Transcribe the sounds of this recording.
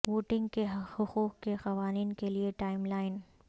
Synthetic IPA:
ʋoːʈɪ̃ŋɡkeɦhʊxuːqkexɐʋaːniːnkelieʈaːɪmlaːɪn

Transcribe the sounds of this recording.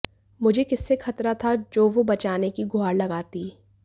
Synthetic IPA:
mʊd͡ʒʱekɪsːexɐt̪ɾat̪ʰad͡ʒoːʋobɐt͡ʃaːnekiɡʱʊaːɾlɐɡaːt̪iː

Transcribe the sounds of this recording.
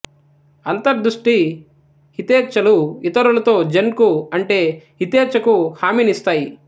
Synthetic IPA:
ɐnt̪ɐɾd̪ɾuʂʈi | hit̪eːt͡ʃːɐluit̪ɐɾulɐt̪o̞ːd͡ʒɐnkuɐɳʈe̞ːhit̪eːt͡ʃːɐkuhaːminist̪aːji

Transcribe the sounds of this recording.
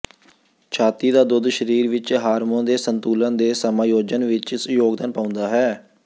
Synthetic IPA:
t͡ʃʰaːt̪iːd̪aːd̪ʊd̪ʃəɾiːɾʋɪt͡ʃɦaːɾmõːnd̪eːsənt̪uːlãːd̪eːsəmaːjoːd͡ʒənʋɪt͡ʃsjoːɡd̪ənpãːʊ̃nd̪aːɦɛː

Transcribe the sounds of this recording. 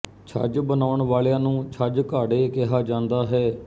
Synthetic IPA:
t͡ʃʰa̰d͡ʒbənaːʊəɳʋaːlejãːnũːt͡ʃʰəd͡ʒkaːɖeːkɪɦaːd͡ʒãːnd̪aːɦɛː

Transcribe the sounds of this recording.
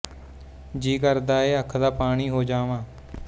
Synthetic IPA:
d͡ʒiːkəɾd̪aːeːəkʰd̪aːpaːɽ̃iːɦoːd͡ʒaːʋãː

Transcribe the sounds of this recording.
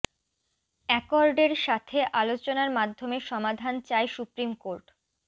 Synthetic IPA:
ɛkoɾɖeɾʃat̪ʰeʔalot͡ɕonaɾmad̪ʱːomeʃɔmad̪ʱant͡ɕaeʃupɾimkoɾʈ

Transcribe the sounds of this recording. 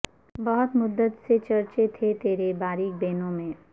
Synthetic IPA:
bɐɦʊt̪mʊd̪ːət̪set͡ʃɐɾt͡ʃet̪ʰet̪eːɾebaːɾiːk̚beːnõmẽː

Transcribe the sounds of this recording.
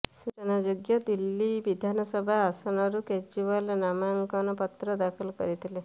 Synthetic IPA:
sut͡ʃənad͡ʒoɡjɔd̪ilːiʋid̪ʱanɔsɔbʱaːsanɔɾuked͡ʒd͡ʒiʋalnamaŋkanɔpɔt̪ɾɔd̪akʰilkɔ̰ɾit̪ʰile

